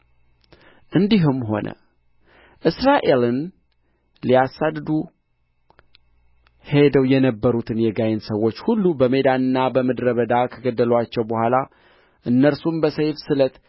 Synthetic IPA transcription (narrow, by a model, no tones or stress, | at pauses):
ʔɨnd̪iɦumːɦo̞̰nʔə̰ | ʔɨsɾaʔe̞lɨn | lijasːad̪d̪u | he̞d̪əwjɛnəbːəɾut̪ʰɨnjɛɡajɪnsəwːo̞t͡ʃːhulːubəmed̪anɨnːabəmɨd̪ɾəβəd̪akʰəɡəd̪ːəlwat͡ʃːɛwbəhʷala | ʔɨnːəɾsumbəsəjfsɨlət̪